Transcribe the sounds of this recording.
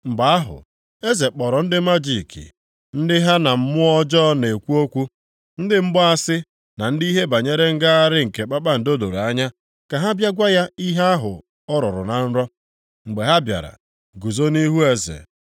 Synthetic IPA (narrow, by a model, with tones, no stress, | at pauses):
m̩˨ba˨a˦ɦʊ̰˨ | e˦ze˨k͡pɔ˨ɾɔ˨n̩˦dɪ˦ma˦d͡ʒi˦˨kḭ˨ | n̩˦dɪ˦ɦa˦na˨m̩˦mʊ˦ɔ˦d͡ʒɔ˦ne˨kʷu˦o˦kʷu˦ | n̩˦dɪ˦m̩˦bɔ˦a˦sɪ˦ | na˨n̩˦di˦ɦe˦ba˨ɲe˦ɾe˦ŋ̩˦ɡa˦a˦ɾɪ˦ŋ̩˨ke˨k͡pa˦k͡pa˦n̩˨do˦do˨ɾa˦ɲa˦ | ka˨ɦa˦bja˦ɡʷa˦ja˦i˦ɦe˦a˦ɦʊ̰˨ | ɔ˦ɾɔ̰˨ɾʊ̰˨na˨n̩˦ɾɔ˦ | ŋ͡m̩˨ɡ͡be˨ɦa˦bja̰˨ɾa̰˨ | ɡu˨zo˦ni˦ɦu˦e˦zḛ˨